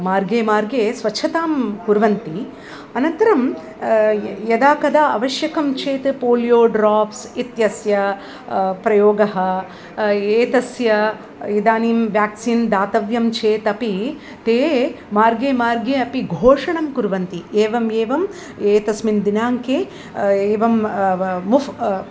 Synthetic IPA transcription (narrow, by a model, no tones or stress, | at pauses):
maːɾɡeːmaːɾɡeːsʋɐt͡ʃʰɐt̪aːmkuɾʋɐnt̪i | ɐnɐnt̪ɐɾɐm | jɐd̪aːkɐd̪aːɐʋɐʃjɐkʰɐmt͡ʃʰeːt̪ɨpoːlijoːɖɾaːpsit̪jɐsjɐ | pɾɐjoːɡɐɦɐ | eːt̪ɐsjɐ | id̪aːniːmʋjaːksiːnd̪aːt̪ɐʋjɐmt͡ʃʰeːt̪ɐpi | t̪eː | maːɾɡeːmaːɾɡeːɐpiɡʱoːʂɐɳɐmkuɾʋɐnt̪ieːʋɐmeːʋɐm | eːt̪ɐsmind̪inaːŋkeː | eːʋɐmmufʰ